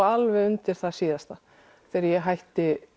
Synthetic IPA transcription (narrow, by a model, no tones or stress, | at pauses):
alvɛʏnt̪ɪɾ̥θaðsiːðast̪a | θɛːɾɪɾjɛɦajht̪ɪ